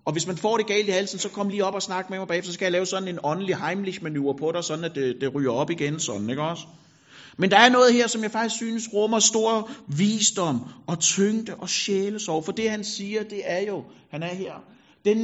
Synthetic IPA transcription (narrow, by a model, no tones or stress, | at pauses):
ɒ̽ʋe̝smænfɒ̰ːɾ̥e̝ɡ̥ɛ̰ːldihælsən̩sɒ̽kʰɒ̽m̰liːɒ̽b̥ɒ̽snɑ̈ɡ̥əmemɑ̈bɛːefd̥ɐsɒ̽kʰæjalɛːʊsɒ̽d̥n̩e̝nɒ̽nəliɦɑ̈ɪmliɕmænuɐpʰɒ̽ɾ̥ɑ̈sɒ̽d̥n̩æd̥ed̥e̝ʁy̰ːɐɒ̽b̥iɡ̥ensɒ̽d̥n̩eɡ̥ɒ̽sə̥ | mend̥ɑ̈æɐnɔ̽ːð̞̩ˠɦeɐ̰sɒ̽mjɑ̈ɪfɑ̈ɡ̥isɡ̥syːnəsʁɔmɐsd̥o̝ɐ̰ʋḭːsd̥ɒ̽m̰ɒ̽t͡sʰøŋ̰d̥əʔɒ̽ɕeːləsɒʊɐfɒ̽d̥e̝hænsiːɐd̥e̝æɐjo̝hænæɐɦeɐ̰ | d̥en